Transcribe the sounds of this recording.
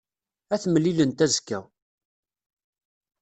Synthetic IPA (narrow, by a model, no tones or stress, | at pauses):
æθməlːilənt̪æzkːæ